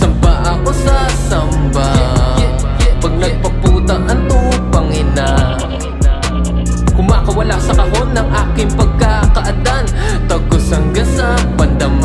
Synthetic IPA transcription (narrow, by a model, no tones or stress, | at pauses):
sɐmbaʔɐkosɐsɐmba | pɐɡ̚nɐɡ̚pɐpuːt̪ɐʔɐnt̪upɐŋɪna | kʊmakɐwɐlaʔsɐkɐhonɐŋʔaːkɪŋpɐɡ̚kakɐʔɐd̪ant̪ɐɡosɐŋɡɐsɐ | pɐnd̪ɐm